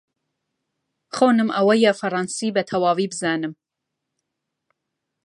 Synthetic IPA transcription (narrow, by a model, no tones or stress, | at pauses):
xoːnɨmʔɐwɐjɛfɐrˤɑːnsiːbɛt̪ʰɐwɑːviːbɨzɑːnɨm